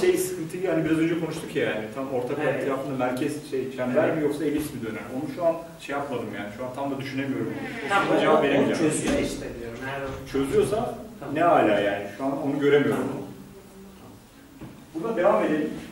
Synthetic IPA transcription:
ʃe̞jsɯ̥kʰɯnt̪ʰɯhanibiɾazø̞nd͡ʒɛkʰo̞nuʃt̪ʰukjajanit̪ʰamo̞ɾt̪ʰakʰaet̪ʰɾaːfɯnd̪amæɾcʰɛzʃejt͡ʃʰanvæɾmijo̞ksaelʲisimid̪ø̞neɾo̞nuʃuan | ʃejapmad̪ɯmjaːniʃuant̪ʰamd̪ad̪yʃyne̞mijo̞ɾumjod̪ad͡ʒevapveɾʲimid͡ʒaʃt̪ediot͡ʃʰø̞zyjo̞sanɛɦaːlʲaːjaːniʃuand̪ao̞nuɟø̞ɾe̞mijo̞ɾum | bund̪ad̪e̞vaːme̞d̪elʲim

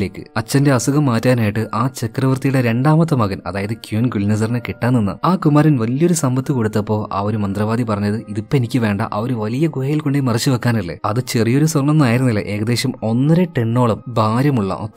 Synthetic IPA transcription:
le̞ːkːɨ̰ɐt͡ɕːɐnde̞ɐsuɣɐmːaːtːaːnaːjiʈːɨʔaːt͡ɕɐkrɐʋɐrt̪ijuɽeɾe̞ɳɖaːmɐt̪ːɐmɐɣɐnɐ̰ðaːjɐðɨkjunɡulnɐs̬ɐrnɨkiʈːaːnːinːɐ̰aːkumaːɾinʋɐlijo̞ɾusɐmbɐt̪ːiko̞ɽut̪ːɐpːo̞ːʔa̰oɾumɐnd̪rɐʋaːd̪ipɐrɐɲːɐðɨiðipːoenikʲːɨʋe̞ːɳɖɐ̰ʔɐʋɐɾuʋɐlijɐɡuhɐjilkoɳɖemɐrɐt͡ɕːɨʋɐkːaːnilːɐ̰ɐðɨt͡ɕe̞rijo̞ɾuswɐrɳɐmnaːjiɾunːuilːɐ̰ʔe̞ːɣɐd̪eːɕɐmo̞nːɐɾeʈeɳːo̞ːɭɐmbʱaːɾjɐmuɭːɐ̰ʔo

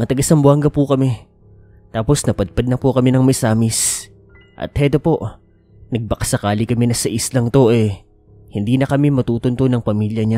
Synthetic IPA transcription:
ɐt̪ɐɡasɐmbʊaŋɡɐpukɐmɛ | t̪aːpo̞snɐpɐd̪̚pɐd̪nɐpʊkɐmɛnɐŋmɐsaːmɪs | ʔɐ̰t̪̚hɛt̪opo̞ʔ | nɐɡ̚pɐkɐsɐkaːlɪkɐmɛnɐsɐʔɪslɐŋt̪o̞ʔɛ | hɪnd̪iːnɐkɐmɛmɐt̪uːt̪ʊnt̪onɐŋpɐmiljɐɲa

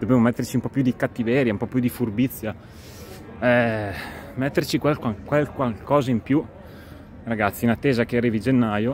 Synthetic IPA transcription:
d̪obemomɛt̪ːert͡ʃiumpɔpːjud̪ikat̪ːivɛːɾjaumpɔpːjud̪ifurbit̪sːja | ɛ | mɛt̪ːert͡ʃikwalkakwalkwalkɔːzaimpju | raɡat̪sːinat̪ːeːzak̟eariːvid͡ʒenːaːjo

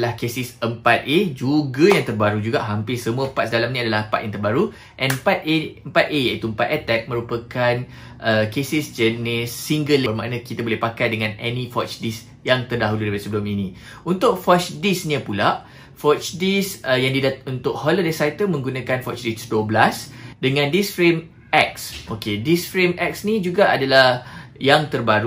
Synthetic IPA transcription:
lahkesɪsəmpat̪̚ʔed͡ʒuɡajaŋt̪ərbaɾud͡ʒuɡaʔɦampɪsəmuəəpat̪sdalaminĩadalahpa̰t̪jãŋt̪ərbaɾu | ʔɛ̃npat̪̚əmpat̪̚ejait̪uəmpat̪ɛt̪ɛk̚mə̃ɾupəkan | ʔəkesɪsd͡ʒənisːiŋɡələrma̰ʔnãkit̪abolɛhpakajdəŋãnɛnĩfɔt͡ʃdis | jaŋt̪ərdaɦuludaipadəsəbəluminĩ | unt̪ʊk̚fɔt͡ʃdisɲapulaʔ | fɔt͡ʃdisəjaŋdidaunt̪ʊʔ̚hɔlodasajt̪əmə̃ŋɡunãkanfɔt͡ʃdisduəblasdəŋãndisfɾem | ɛk̚sʔokedisfɾemʔɛk̚snĩd͡ʒuɡaʔadalahjaŋt̪ərbaɾu

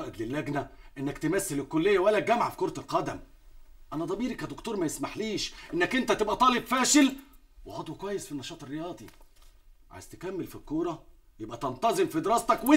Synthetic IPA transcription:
ɑːʔed̪lɪlːæɡnæʔenːækt̪emæsːelɪkːolːejːæwælːæɡæmʕafi̥koɾˤɑt̪ɪlqɑd̪æm | ʔænæd̪ˤɑbiːɾikæd̪okt̪oːɾˤmæjesmaħliːʃʔenːækʔɪnt̪æt̪ebʔæt̪ˤɑːlebfæːʃɪl | weʕɑd̪ˤwekwæjːesfinːɑʃɑːt̪erːejɑːd̪ˤi | ʕa̰jz̥t̪e̥kæmːɪlfilkːoːɾˤɑ | jebʔæt̪ɑnt̪ˤɑzemfid̪eɾˤɑːst̪ɑkwɪ

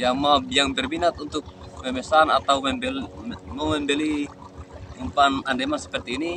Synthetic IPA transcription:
jamabjaŋbɛrbinat̪unt̪ʊk̚mɛmɛsanat̪aumɛbɛmamɛmbɛli | umpanandɛmansɛ̥pɛrt̪iːni

